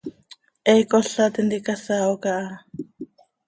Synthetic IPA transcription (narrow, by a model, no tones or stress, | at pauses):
ɛjkoɬat̪ind̪ikasaokaʔa